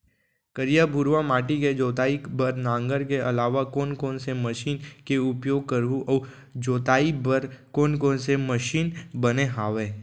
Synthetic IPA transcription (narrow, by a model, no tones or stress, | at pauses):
kəɾijabʱʊɾʋamaːʈiked͡ʒoːt̪aːibɐɾnãːŋɡəɾkeɐlaːʋakɔːnkɔːnseməʃiːnkeʊpjoːɡ̚kəɾuɔː | d͡ʒoːt̪aːibəɾkɔːnkɔ̃ːnseməʃiːnbɐneɦaːʋeː